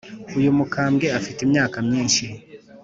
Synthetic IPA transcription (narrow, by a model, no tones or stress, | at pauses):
ujumukʰaːmɡe̞afitimɲaːkamɲiːnʃi